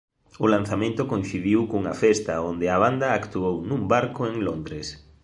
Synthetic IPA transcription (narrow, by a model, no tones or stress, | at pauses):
ʊlãn̟θamẽnt̪ʊkõnθiβiwkuŋɐfɛst̪ɐond̪ɪaβ̞and̪ɐːkt̪uownũmbaɾkʊeŋlond̪ɾes